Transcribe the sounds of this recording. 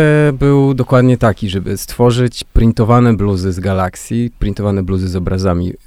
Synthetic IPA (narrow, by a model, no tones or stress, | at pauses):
bɘwd̪ɔkwad̪ɲɛt̪akʲiʐɛbɘst̪fɔʐɘt͡ɕpɾʲint̪ɔvanɛbluzɘzɡalaksʲjipɾʲint̪ɔvanɛbluzɘzɔbɾʔazamʲḭ